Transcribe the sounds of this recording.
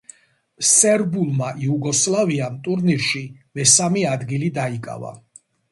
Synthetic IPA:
sɛɾbulˠmaʔiuɡɔslˠaviamt̪ʼuɾniɾʃimɛsamiad̪ɡilid̪aikʼa̰va̰

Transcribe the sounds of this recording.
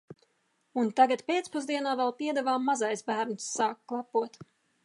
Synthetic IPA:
unt̪aɡat̪pʲeːt̪spuzd̪iɛnaːvɛlˠpiɛd̪ɛvaːmːazajsbæːɾnsːaːkklˠapuɔt̪

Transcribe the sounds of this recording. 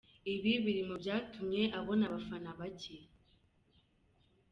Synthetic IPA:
iβiβiɾimobjaːtʰumɲe̞ʔaβo̞naβafanaβace

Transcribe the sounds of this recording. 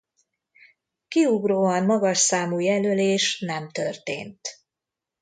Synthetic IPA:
kiuɡroːɒnmɒɡɒʃsaːmujɛløleːʃnɛmt̪ørt̪ḛːnt̪

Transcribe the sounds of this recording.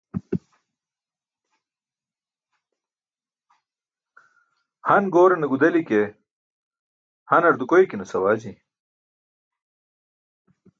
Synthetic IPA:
hɐnɡoːɾɐnɐɡud̪ɐlike | hɐnɐɾd̪ukojkinɐsɐwaːd͡ʑi

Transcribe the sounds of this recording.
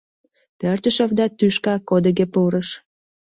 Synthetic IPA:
pørt̪əʃovd̪ɑt̪yʃkɑkod̪əɣepuɾəʃ

